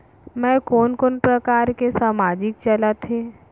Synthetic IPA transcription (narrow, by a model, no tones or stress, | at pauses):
mɛ̃ːkoːnkonpɾɐkaːɾkesaːmaːd͡ʒɪk̚t͡ʃɐlat̪ʰeː